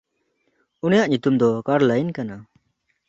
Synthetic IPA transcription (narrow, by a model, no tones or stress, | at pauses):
unijaʔɲut̪umd̪ɔkaɾlajnkana